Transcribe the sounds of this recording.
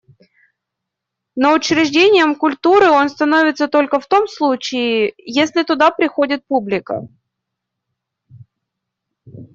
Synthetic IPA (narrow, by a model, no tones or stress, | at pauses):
nəʊt͡ɕɾʲɪʐdʲenʲɪjəmkʊlʲt̪uɾɨo̞nst̪ɐno̞vʲɪt̪sət̪o̞lʲkəft̪o̞mslˠut͡ɕɪɪjesʲlʲɪt̪ʊd̪apɾʲɪxo̞dʲɪt̪̚publʲɪkə̰